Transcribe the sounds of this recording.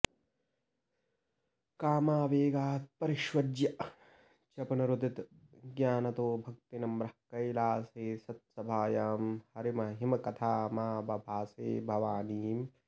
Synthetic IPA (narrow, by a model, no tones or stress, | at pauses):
kaːmaːʋeːɡaːt̪̚pɐɾɪʃwɐd͡ʒjɐʔ | t͡ʃɐpɐnɐɾud̪ʱit̪ | ɡjaːnɐt̪oːbʱɐkt̪inɐmɾɐkɐjlaːseːsɐt̪̚sɐbʱaːjaːmhɐɾimɐɦimɐkɐt̪ʰaːmaːbʱɐbʱaːseːbʱɐʋaːniːm